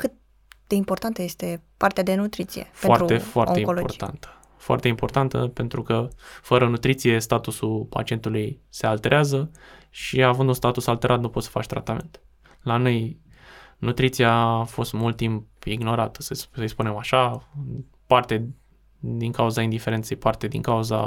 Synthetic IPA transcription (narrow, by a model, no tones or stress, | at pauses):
kɨt̪̚ | d̪̥e̞impo̞rt̪ant̪əjest̪e̞part̪ead̪e̞nut̪ɾit̪sḭjḛfeoarɾue̞foa̰t̪e̞imoloport̪a̰nt̪ə̥ | foa̰rt̪e̞impo̞rt̪ant̪ə̰pe̞nt̪ɾukəfəɾənut̪ɾit̪sije̞st̪at̪usulpa̰t͡ʃie̞nt̪ulujse̞alt̪e̞ɾeazə | ʃiavɨnd̪unst̪at̪usalt̪e̞ɾʔat̪nupo̞t̪sə̥fat͡ʃʲt̪ɾa̰t̪amḛnt̪ | lanoj | nut̪ɾit̪sijafo̞st̪mult̪̚ːimp̚iɡno̞ɾat̪ə̥səssəjspune̞maʃa | part̪e | d̪iŋkauzaind̪ife̞ɾe̞nt̪sejpart̪e̞d̪ḭŋkauza̰